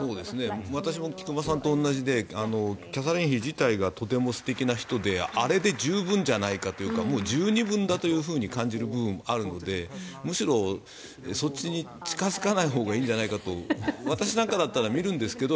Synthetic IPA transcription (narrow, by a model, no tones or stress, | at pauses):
so̞ːd̪e̞sɨne̞βat̪aɕ̬imo̞kʲi̥kɯ̟masãnt̪õ̞ːnːaʑid̪e̞ano̞kʲasaɾẽɰ̃çiʑit̪aiɡat̪o̞t̪̬e̞mo̞sɨ̥t̪e̞kʲinaçi̥t̪o̞d̪e̞aɾe̞d̪e̞d͡ʑɨːbɯ̟̃ɲ̟d͡ʑanaikat̪o̞jɯ̟ːkamo̞ːd͡ʑɨːɲ̟ibɯ̟̃nd̪at̪o̞jɯ̟ːɸɯ̟ːɲ̟ikãɲ̟d͡ʑiɾɯ̟bɯ̟bɯ̟̃ɴaɾɯ̟no̞d̪e̞mɯ̟ɕiɾo̞ | sot͡ɕːiɲ̟i | t͡ɕi̥kazɨkanaiɦo̞ːɡaĩːɲ̟d͡ʑanaikat̪o̞βat̪aɕ̬inãŋkad̪at̪ːaɾamʲiɾɯ̟̃nd̪e̞sɨ̥ke̞d̪o̞